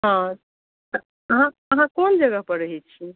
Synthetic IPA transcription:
ɦã | t̪ə | əɦãəɦãkond͡ʒəɡəpəɾəɦɛt͡ʃʰi

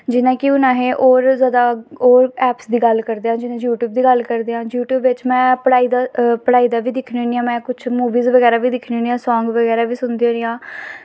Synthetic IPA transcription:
d͡ʒɪnãːkɪʊnãːɦeːʔoːɾzjaːd̪aːoːɾɛːpsd̪iːɡəlkəɾd̪eːãːd͡ʒɪnãːjuːʈjuːb̚d̪iːɡəlkəɾd̪eːãːjuːʈjuːbʋɪt͡ʃmɛ̃ːpəɽaːiːd̪aːpəɽaːiːd̪aːʋiːd̪ɪkʰnoniãːmɛ̃ːkʊt͡ʃʰmuːʋiːzʋəɡɛːɾaːʋiːd̪ɪkʰnoːniãːsɔ̃ːŋɡʋəɡɛːɾaːʋiːsʊnd̪iːoːnijãː

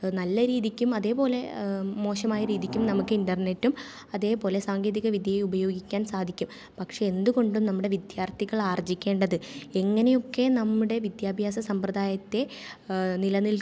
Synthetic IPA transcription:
nɐlːɐɾiːðikʲːumɐðe̞ːpo̞ːle̞mo̞ːʂɐmaːjɐɾiːðikʲːumnɐmukːɨinɖɐrnetːum | ɐðe̞ːpo̞ːle̞saːŋɡe̞ːðiɣɐʋid̪ʱjɐjeubɐjo̞ːɡikʲːaːnsaːd̪ʱikʲːum | pɐkʂe̞end̪uɣo̞ɳɖumnɐmːuɽe̞ʋid̪jaːrt̪ʰiɣɐɭaːrd͡ʑikʲːe̞ːɳɖɐðɨe̞ŋːɐnejo̞kːe̞nɐmːuɽe̞ʋid̪jaːbʱjaːsɐsɐmprɐd̪aːjɐt̪ːe̞ | nilɐnil

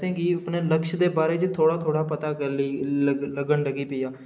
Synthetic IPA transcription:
sẽːɡiːəpneːləkʃd̪eːbaːɾeːd͡ʒt̪ʰoːɽaːt̪ʰoːɽaːpət̪aːkəliːləɡəɳləɡiːpɪiːjaː

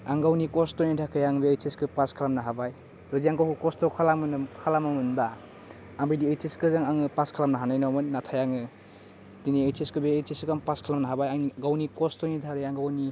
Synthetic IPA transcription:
aŋɡawnikɔstɔjnidʰakʰɯjaŋbeejseskɯpaskʰalamnaɦabaj | dɔziaŋkawkɯkɔstɔkʰalamɯnɯkʰalamamɯnba | aŋbijdiejteskɯzaŋaŋɯpaskʰalamnaɦanajnɔmɯnːatʰajaŋɯ | diniejteskɯbeːjseskaŋpaskʰalamnaɦabajaŋniɡawnikɔstɔjnidʰʱaɾɯjaŋɡawni

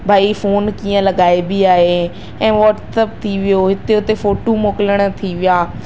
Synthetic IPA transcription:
bʱaːifoːnkiːə̃ləɡaːebiaːɦe | ɛ̃ːʋɔːʈsəp̚t̪ʰiʋɪjoɦɪt̪eʊt̪efoːʈomoːkələɽ̃t̪ʰiʋɪjaː

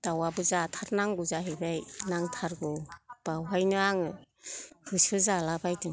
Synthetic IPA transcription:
d̥awabɯzatʰaɾnaŋɡuzaɦibajnaŋtʰaɾɡɔb̥awɦajnɯaŋɯ | hɯsɯzalabajtɯŋ

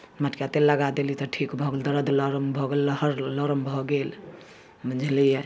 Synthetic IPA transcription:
məʈkjat̪elːəɡad̪elit̪ɔʈʰikbʱɔɡeld̪əɾəd̪ʱlɔɾəmbʱɔɡelhəɾlɔɾəmbʱɔɡel | məd͡ʒʱlije

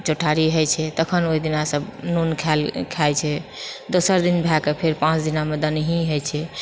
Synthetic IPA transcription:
t͡ʃoʈʰaɾiɦəjt͡ʃʰɛt̪əkʰənoid̪inasəbnunkʰalkʰajt͡ʃʰɛd̪osəɾd̪inbʱɛkepʰeɾpãt͡ʃd̪inamed̪ənɦĩɦəjt͡ʃʰɛ

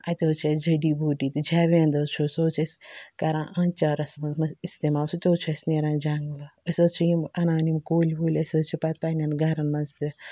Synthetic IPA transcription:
at̪ʲoːt͡ʃʰɐd͡ʒɐɖiːboːʈiːt̪id͡ʒaːʋeːnd̪ɐt͡ʃʰoːsoːt͡ʃʰɐsʲkɐɾãːʔɐnt͡ʃaɾɐsmɐmɐist̪emaːsut̪ʲoːt͡ʃʰɐsʲneːɾãːd͡ʒaŋɡlɐɐsʲɐt͡ʃʰijimɐnaːnimkoːlʲboːlʲɐsɐt͡ʃʰipat̪̚panʲãnɡɐɾɐnmɐnzt̪i

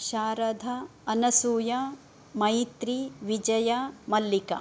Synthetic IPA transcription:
ʃaːɾɐd̪ʱɐːnɐsuːjɐ | mɐjt̪ɾiʋid͡ʒɐjɐmɐlːikɐ̰

